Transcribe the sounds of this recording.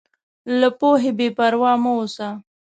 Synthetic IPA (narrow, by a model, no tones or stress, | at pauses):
lapoɦebepaɾwɑːmoosa